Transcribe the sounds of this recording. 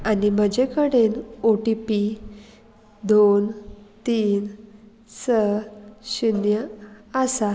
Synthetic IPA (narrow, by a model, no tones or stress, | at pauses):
anim̤əd͡ʑekəɽenoʈipi | d̪ont̪iːn | səɕinjəasa